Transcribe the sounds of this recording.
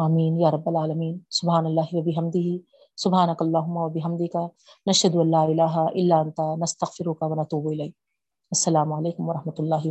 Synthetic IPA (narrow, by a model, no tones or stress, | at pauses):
ʔaːmiːnjaːɾˤɐbːɐlaːlɐmiːnsʊbɦaːnɐlːaːɦɪwɐbɪɦɐmd̪ɪɦi | sʊbɦaːnɐkɐɐlˠˤːaːɦʊmːawɐbɪɦɐmd̪ɪka | nɐʃhɐd̪ʊɐnlːaːɪlaːɦaʔɪlːaːʔɐnt̪aːnɐst̪ɐɣfɪɾʊkɐwɐnɐt̪uːbɪlɐjːk̚ | ɐsːɐlaːmʊʕaleːkʊmwɐɾɑhmɐt̪ʊlˤːaːɦɪ